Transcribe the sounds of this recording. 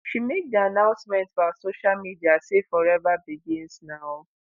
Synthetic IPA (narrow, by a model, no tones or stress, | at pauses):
ʃimek̚dianãʊ̃nsmɛ̃ntfasoʃalmidiasefɔɹɛvabiɡĩnsnaʊ